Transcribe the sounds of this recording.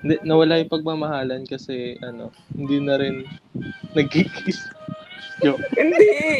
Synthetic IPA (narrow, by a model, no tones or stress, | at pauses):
hɪnd̪ɛnɐwɐlajʊŋpɐɡ̚maːmɐhaːlɐnkɐsɛʔɐno̞̰ | hɪnd̪inɐɾɪnː | ɐɡ̚hɪkʰɪs | joɪd̪ɛ